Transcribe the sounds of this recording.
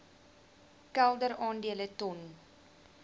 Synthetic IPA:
kælˠdəɾɑːndiələtɔn

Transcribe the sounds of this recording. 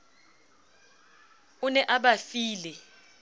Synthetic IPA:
unɛʔaɓafiːlɛ

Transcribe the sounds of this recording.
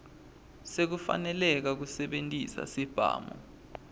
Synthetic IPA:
sek̬ufa̰nɛlɛk̬ak̬usɛɓentʼisa̰sib̥ʱa̰ːmɔ̰

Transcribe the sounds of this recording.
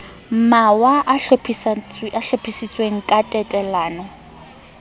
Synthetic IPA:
m̩mawaʔaɬpʰisʔaɬopʰisit͡sʼweŋ̩kʼatʼɛtʼɛlaːnɔ

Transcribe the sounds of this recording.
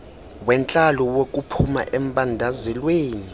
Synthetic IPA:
wɛnt͡ɬʼalɔwok̬ʼupʰuma̰ʔɛm̩ɓʼandʱazɛlweːni

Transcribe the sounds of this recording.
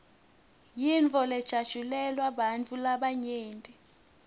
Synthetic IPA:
jinvʱʼɔlɛd̥ʒ̥ʱad̥ʒ̥ʱulɛlwaɓant͡fʰulaɓaɲeːntʼi

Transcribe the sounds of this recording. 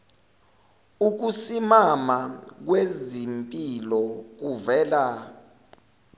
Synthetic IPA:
uk̬usimamak̬wezimpʼilɔk̬uvɛːla

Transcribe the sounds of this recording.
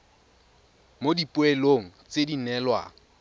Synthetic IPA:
modipʼʊeloŋ̩t͡sedinɛlwa̰ŋ̩

